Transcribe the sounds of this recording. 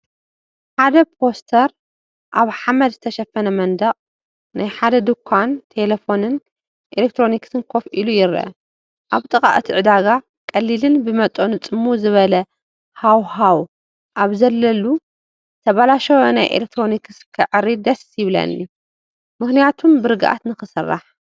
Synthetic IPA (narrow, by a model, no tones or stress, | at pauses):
ħad̪ɐpʰo̞st̪ʰɐɾ | ʔaβħamɐd̪zɨt̪ʰɐʃɐfːɐnɐmɐnd̪ɐχʼ | najħad̪ɐd̪ɨkʰːant̪ʰe̞lefo̞nɨn | ʔelek̚t̪ʰɾo̞niksɨnkʰo̞fʔilujɪɾɐ̰ | ʔaβt̪ʼɨkʼa̰ʔɨt̪ʰiʕɨd̪aɡa | kʼɐlːilɨnbɨmɐt̪ʼo̞nɨt͡sʼɨmːuzɨβɐlɐ | hawhaw | ʔaβzɐlːɐlu | t̪ʰɐβalaʃɐwonajʔḛlek̚t̪ʰɾo̞nikɨskʰɐʕɨɾid̪ɐsjɪβlɐ̰nːi | mɨxnijat̪ʰumbɨɾɨɡɨʔa̰t̪nɨxɨsɨrːa̰ħ